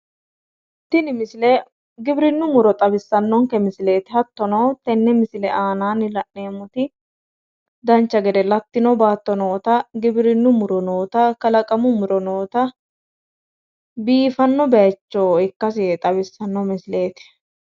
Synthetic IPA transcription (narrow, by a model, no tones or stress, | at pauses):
t̪ːɪnɪmɪsɪlɛ | ɡɪbɾɪnːʊmʊɾɔt̪ʼɐbɪsːɐnːɔŋkɛmɪsle̞ːt̪ɪhɐt̪ːɔnɐwt̪ɛnːɛmɪsɪlɛʔaːnaːnɪlɐʔne̞ːmːʊt̪ɪ | d̪ɐnt͡ʃːɐɡɛd̪ɛlɐt̪ːɪnɔbaːt̪ːɔnoːt̪ɐɡɪbɾɪnːʊmʊɾɔnoːt̪ɐkɐlɐkʼɐmʊmʊɾɔnoːt̪ɐ | biːfɐnːɔbɛjɐt͡ʃːoɪkːɐs̬ɪt̪ʼɐbɪsːɐnːɔmɪsle̞ːt̪ɪ̥